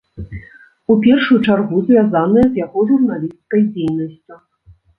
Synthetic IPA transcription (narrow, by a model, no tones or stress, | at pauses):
upʲɛrʂujut͡ʂarɣuzʲvʲazanɨjɛzjaɣɔʐurnalʲist̪kɐjd͡zʲejnɐsʲt͡sʲu